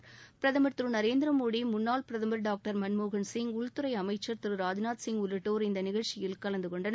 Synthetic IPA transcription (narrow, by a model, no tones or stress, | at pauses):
pɪɾɐðɐmɐɾt̪ɾɯnɐɾeːnd̪ɪɾɐmoːɽimʊnːaːlpɪɾɐðɐmɐɾɖaːk̚ʈɐɾmɐnmoːɣɐnsɪŋʊɭt̪ɯɾɐɪɐmɐɪt͡ʃːɐɾt̪ɪɾɯɾaːd͡ʒɪnaːt̪sɪŋʊlːɯʈːoːɾɪnd̪ɐnɪɣɐɻt͡ʃːɪjɪlkɐɭɐnd̪ɯkɔɳɖɐn